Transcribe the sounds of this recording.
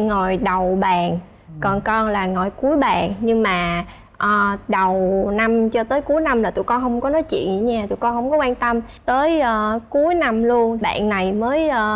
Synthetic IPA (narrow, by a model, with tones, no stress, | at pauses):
ŋɔ˨˩jɗə˨˩wɓaː˨˩n | kɔ˨˩nkɔ˧nlaː˨˩ŋɔ˨˩jku˨˦əjɓaː˨˩nɲɨ˧ŋmaː˨˩ | ʔəː˨˩ɗə˨˩wna˧mt͡ɕɔ˧t̪əː˨˦jku˨˦jna˧mlaː˨˩t̪ṵ˧˨kɔ˧nɦə˧wŋ͡mkɔ˨˦nɔ˨˦jt͡ɕwḭ˧˨ənzi˧˩˦ɲaː˧˩t̪ṵ˧˩˨jkɔ˧nhə˧wŋ͡mkɔ˨˦kwaː˧nt̪ə˧m | t̪əː˨˦jʔəː˨˧˩ku˨˦əjna˧mlu˧ənɓa̰ː˧˨nːa˨˩jməː˨˦jʔəː˧˩